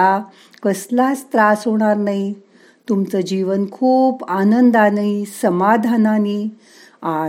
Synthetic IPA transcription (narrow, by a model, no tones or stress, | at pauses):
a | kəslat͡st̪ɾasɦoɽ̃aɾnaɦi | t̪umt͡səd͡ʑiʋənkʰuːpanənd̪anaisəmad̪ʱanani | a